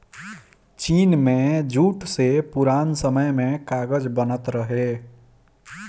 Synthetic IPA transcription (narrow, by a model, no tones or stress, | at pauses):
t͡ʃinmed͡ʒuʈsepuɾansəməjmekaɡəd͡ʒbənət̪ɾəɦe